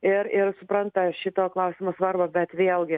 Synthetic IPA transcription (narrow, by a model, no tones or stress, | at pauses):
ɪɾɪrsʊpɾɐnt̪ɐʃʲɪt̪oːklˠɐʊsʲɪmoːsʋɐrbɐbʲɛt̪ʋʲeːlˠɡʲɪ